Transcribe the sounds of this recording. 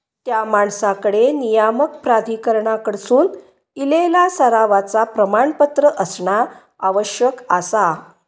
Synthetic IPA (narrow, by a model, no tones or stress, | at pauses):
t̪jamaɳsakəɽenijamək̚pɾad̪ʱikəɾɳakəɽsuːn | ilelasəɾaʋat͡sapɾəmaɳpət̪ɾəʔəsɳa | aʋəɕjəkasa